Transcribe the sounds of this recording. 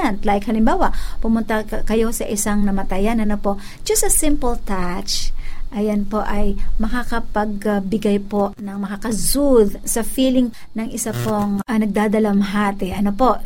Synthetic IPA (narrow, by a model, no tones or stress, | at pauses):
ɐnt̪lajkhɐlɪmbaːwɐʔpʊmʊnt̪ɐkɐjo̞sɐʔɪsaŋnɐmɐt̪ɐjanɐnopo̞ | d͡ʒɐsɐsɪmpɐlt̪at͡ʃʔɐjɐnpo̞ʔɐjmɐkakɐpɐɡ̚bɪɡajpo̞ʔnɐŋmɐkakɐzud̪sɐfiːlɪŋ | nɐŋɪsapoŋnɐɡ̚d̪aːd̪ɐlɐmɦaːt̪ɪʔɐnopo̞ʔ